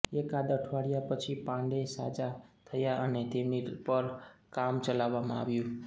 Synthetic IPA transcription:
ekad̪əʈʰʋaɽijapət͡ʃʰipãɳɖesa̰d͡ʒat̪ʰəjaʔənet̪emnipəɾkamt͡ʃəlaʋːamã̰a̰ʋjũ

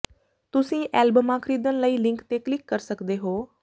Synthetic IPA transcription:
t̪ʊsĩːʔɛːlbəmãːkʰəɾiːd̪ənləiːlɪŋkt̪eːklɪkːəɾsəkd̪eːɦoː

